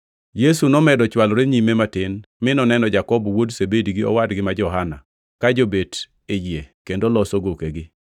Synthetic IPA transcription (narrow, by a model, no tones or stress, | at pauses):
jesunɔmɛdɔt͡ʃwalɾeɲimematɪnmɪnɔnɛnɔd͡ʒakɔbɔwodsebediɡɪɔ̰wadɡɪmad͡ʒɔɦana̰ | kad͡ʒobet | ed͡ʒjekendolɔsoɡokeɡɪ